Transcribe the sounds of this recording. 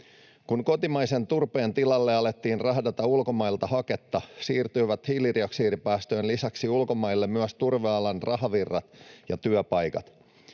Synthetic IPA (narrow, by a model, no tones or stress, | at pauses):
kunko̞t̪imɑjse̞nt̪urpe̞ːnt̪ilɑlːe̞ɑlet̪ːiːnrɑɦhdɑt̪ɑulko̞mɑjlt̪ɑhɑke̞t̪ːɑsiːrt̪yjʋæt̪hiːlːiriɑksiːɾipæːst̪øːnlisæksiulko̞mɑjlːemmyæst̪urʋeɑlɑnrɑɦɑʋirːɑt̪jɑt̪yœpɑjkɑ̰t̪